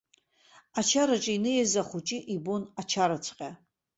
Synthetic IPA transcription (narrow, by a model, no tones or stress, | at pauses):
at͡ʃʰaɾat͡ʃʼinɨjazaχʷut͡ʃʼiʔibonat͡ʃʰaɾat͡sʷʰqʲʼa